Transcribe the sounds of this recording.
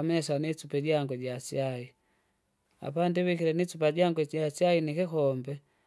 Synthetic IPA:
mɛsanit͡supɛɟaŋɡɛɟasjai | a̰pandiβikiɾɛnit͡supaɟaŋɡwɛɟasjainikikɔmbɛ

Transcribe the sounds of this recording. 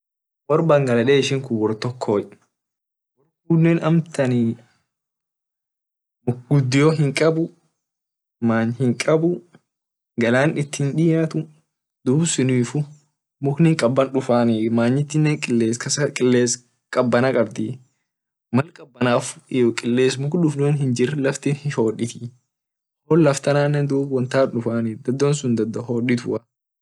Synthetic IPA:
wɔɾbaːŋɡɐlɐᶑeːɪʃɪŋkʊwɔɾt̪ɔkʰːoːj | wɔɾɡʊnːɛnɐmt̪ʰɐnɪ | mʊɡʊd̪ːɪjoːɦɪŋkʼɐbʊ | maːɲhɪŋkʼɐbʊ | ɡɐlaːnɪt̪ːɪnᶑɪjaːt̪ʊ | d̪uːbsʊniːfʊ | mʊknɪŋkʼɐbːɐnᶑʊfaːnimaːɲːɪt̪ːɪnːɛŋkʼɪlːeːskɐsɐkʼɪlːeːs | kʼɐbːɐnɐkʼɐbd̪ɪ | mɐlkʼɐbːɐnaːfɪjɔkʼɪlːeːsmʊkᶑʊfnuːnhɪnd͡ʒɪrlɐft̪ɪnhɪho̞ːᶑɪt̪ɪ | hoːlːɐft̪ɐnaːnːɛnd̪uːbwɐnt̪aːnᶑʊfaːnid̪ɐd̪ːoːnsʊnd̪ɐd̪ːɔhoːᶑɪt̪ʊɐ

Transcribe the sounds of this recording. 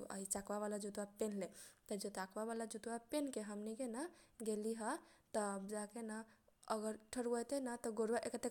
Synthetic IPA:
a̰it͡ʃakbaβalad͡ʒut̪wapenlet̪əd͡ʒet̪akbaβalad͡ʒut̪wapenkeɦəmnikenaɡeliɦət̪əbd͡ʒakenaəɡəɾʈʰəɽəjt̪enat̪ɔɡoɽwaʔekət̪e

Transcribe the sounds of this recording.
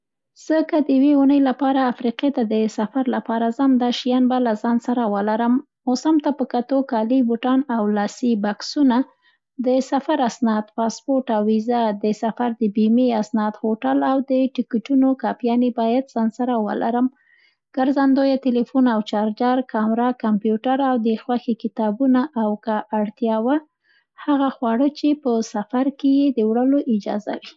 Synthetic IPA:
z̥əkad̪əjaweunəjlapɑɾaːfɾiqet̪ad̪əsafaɾlapɑɾazamd̪aʃijɑnbalazɑnsaɾawəlaɾəmː | osamt̪apəkat̪okɑlibuʈɑnawlɑsibaksuna | d̪əsafaɾasnɑd̪pɑspoɾʈawizad̪əsafaɾd̪əbimiasnɑd̪hoʈalawd̪əʈɪkiʈunokɑpjɑnebɑjad̪z̥ɑnsaɾawə̰la̰ɾəm | ɡ̥aɾzand̪ojat̪elefunawt͡ʃɑɾd͡ʒaɾkɑmɾakampjuʈaɾawd̪əxwaxekɪt̪ɑbunaʔawkaʔːɽt̪jɑwa | haɣaxwɑɽət͡ʃepəsafaɾkejed̪əwɽəloʔɪd͡ʒɑ̰za̰wi

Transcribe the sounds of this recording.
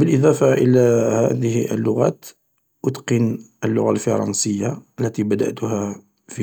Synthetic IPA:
bəlʔəd̪ˤɑfaʔəlæhæd̪əhʔə̰lːʊɣæ̰t̪ | ʔʊt̪qənʔəlːʊ̰ɣalfɑɾˤɑ̰nsəjːalːæt̪ibæd̪a̰ʔt̪ʊɦæ | fi

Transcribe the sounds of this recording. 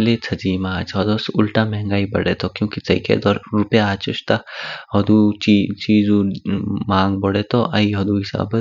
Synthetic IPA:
let͡sʰɐd͡ʒiːmaːt͡ʃɔd̪osʊlʈamɛɦɛ̃ŋɡaːibɐɽet̪ʰokjõːkisɐḭːkḛd̪ɔːɾɾʊpjaːt͡ʃʊʃt̪aɦɐd̪ut͡ʃit͡ʃiːz | mãːŋɡbɐɽet̪oʔaiɦɐd̪uɦɪsa̰ːbə

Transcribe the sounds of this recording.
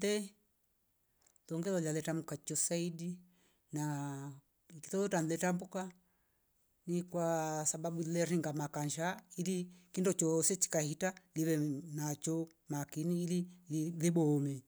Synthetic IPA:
dɛ | lɔŋɡɛlɔlalɛtamukat͡ʃɔsaidi | na | kiθɔlɔtanlɛtambuka | nikwasababulɛɾiŋɡamakaɲʃailikindɔt͡ʃɔsɛt͡ʃi̥kahitaliβɛnat͡ʃɔ | makiniːlillibɔmɛ

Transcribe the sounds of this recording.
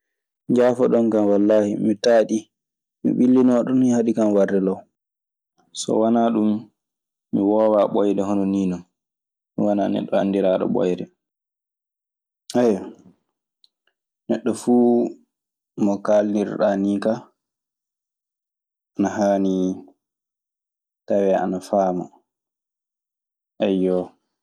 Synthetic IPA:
d͡ʒaːfaɗɔnkamwalːaːhimitaːɗi | mḭɓilːinɔɗɔnihaɗikamwardɛlaw | sɔ̰wanaɗumː | iwɔːwaɓɔjdɛɦɔnɔniːnɔn | miwana̰nɛ̰ɗːɔa̰ndiɾaːɗɔ̰ɓɔ̰jdɛ | ʔɛj | nɛɗːɔfuː | mɔkalniɾɗaniːka | ʔanaɦaːni | tawɛa̰nafaːma̰ | ʔɛjːɔ

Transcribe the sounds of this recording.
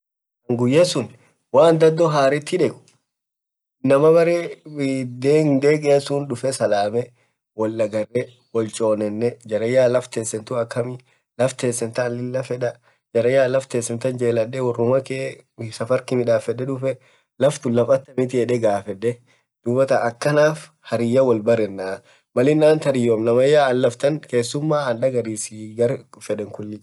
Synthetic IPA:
ɐŋɡʊjːɛsʊn | waːnd̪ɐd̪ːɔɦaːɾɪt̪ːɪᶑɛkʊ̥ | nɐmɐbɐɾe | d̪eːŋd̪eːkʼɛɐsuːnᶑʊfɛsɐlaːmɛ | wɔlːɐɡɐrːɛ | wɔlt͡ʃʼo̞ːnɛnːɛd͡ʒɐɾɐjːaːlɐft̪ɛnsɛnt̪ʊɐkːɐmɪ | lɐft̪eːnsɛnt̪ɐlɪlːɐfɛᶑɐ | d͡ʒɐɾɐjaːlɐft̪eːnsɛnt̪ɐnd͡ʒe̞ːlɐᶑːɛwɔrːʊmɐkesɐfɐɾkɪmɪᶑaːfɛᶑɛᶑʊfɛ | lɐft̪ʊlɐfʼɐt̪ːɐmɪt̪̬ɪɛᶑɛɡaːfɛᶑːɛ | d̪̥uːbɐt̪ɐɐkːɐnaːf | hɐɾɪjːɐwɐlbɐɾɛnːa | mɐlɪnːaːnt̪ɐɾɪjomnɐmɐjːaːɐlːɐft̪ɐŋke̞ːsːʊmːaːɐnɗɐɡɐɾiːsɪɡɐɾfɛᶑɛŋkʊnːɪ

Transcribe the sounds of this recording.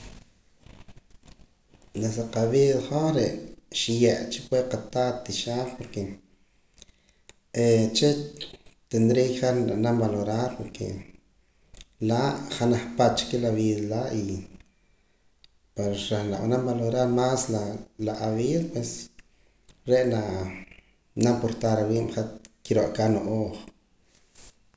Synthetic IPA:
nesaqaβiːðχoχɾeʔʃijaʔt͡ʃi̥pweqat̪at̪iʃaːlpoɾke | et͡ʃe | t̪end̪ɾiχananambaloɾaːɾpoɾkʰḛ | laʔχanaχpat̪̚t͡ʃkelaβiːðalaʔi | peɾɾaχna̰ʔa̰nambaloɾaɾmaslalaʔaβiːðapwes | ɾeʔnaʔ | nampoɾt̪aɾawiːʔmχat̪kiɾoʔkanoʔoːχ

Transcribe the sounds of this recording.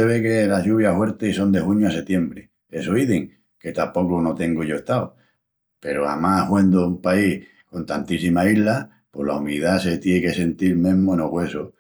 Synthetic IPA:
eβe̞kelaʎuβjahwe̞ɾt̪eiso̞nd̪e̞huɲoase̞t̪je̞mbɾe | e̞soiðeŋ | ke̞t̪apo̞kono̞t̪e̞ŋɡoʝoeht̪ao | pe̞ɾoa̰mahwend̪oumpai | ko̞nt̪ant̪isimaiɦla | po̞la̰umiðase̞t̪jeke̞se̞nt̪iɾmẽ̞ɦmoenoɣwe̞so

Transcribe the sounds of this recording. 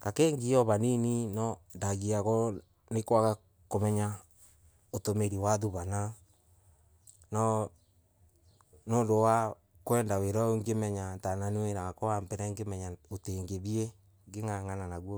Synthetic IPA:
kakeːŋɡiɔβanininɔndaɣiakɔ | nekwaka | komɛɲa | otomeɾiwaðuβana | nɔ | noːndowa | kwɛːndaweɾɔoŋɡemɛɲantananiweɾaakɔambɛɾɛŋɡemɛɲaoteŋɡeβie | ŋɡeŋaŋananaɣwo

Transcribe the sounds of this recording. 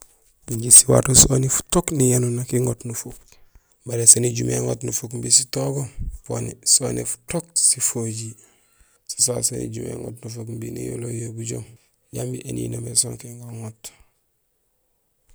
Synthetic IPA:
buɲɟisiwa̰ːtosonifu̥toknijanunakiŋotnufok̚ | baɾesaniɟumeŋo̰tnufokmbisitoɡopo̰nisonifu̥tok̚sifoɟi | si̥sasanḭɟumḛŋo̰tnufokmbinḭjo̰lojobuɟo̰m | ɟambiʔenḭːnomesoŋkiŋɡoŋot

